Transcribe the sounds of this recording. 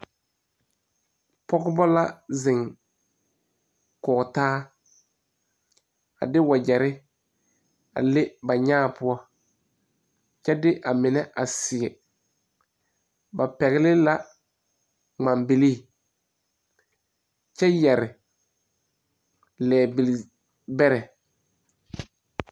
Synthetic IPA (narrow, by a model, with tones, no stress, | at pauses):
pɔ˦ɡʊ˦bɔ˦la˦zɪ˨ŋ | kɔ˨taː˦ | a̰˨dɪ˦wa˨d͡ʒɛ˨ɾɪ˦ | a̰˨lɪ˦ba˨ɲaː˦˨pʊ˦ɔ˦ | t͡ʃɛ˦dɪ˦ʔa˨mɪ˨nɛ˦ʔa˨sɪ˨ɡɛ˨ | ba˨pɛ˨ɣɪ˦lɪ˦la˦ | ŋ͡ma˨mbɪ˨li˦˨ | t͡ʃɛ˦jɛ˨ɾɪ˨ | lɛː˨bɪ˨l | bɛ˦ɾɛ˨